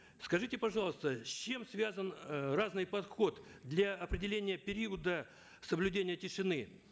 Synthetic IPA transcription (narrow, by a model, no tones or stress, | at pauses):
skɐʐɨtʲɪpɐʐɑlˠəst̪əsʲt͡ɕːe̞msvʲazənraznɨjpɐt̪xo̞t̪d̪lʲaɐpɾʲɪdʲɪlʲenʲɪjəpʲɪɾʲiəd̪ə | səblʲʉdʲenʲɪjətʲɪʂɨnɨ